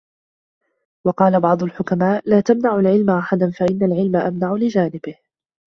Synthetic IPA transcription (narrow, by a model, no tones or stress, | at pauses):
wɑqɑːlabɑʕd̪ˤʊlħʊkamaːʔlaːt̪amnaʕʊlʕɪlmaʔaħad̪anfaʔɪnːalʕɪlmaʔamnaʕʊlɪd͡ʒaːnɪbɪh